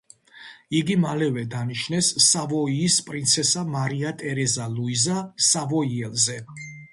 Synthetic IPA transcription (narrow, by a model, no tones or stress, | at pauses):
iɡimalɛvɛd̪aniʃnɛsːavɔiːspʼɾint̪sʰɛsamaɾiat̪ʼɛɾɛzaluizasavɔiɛlzɛ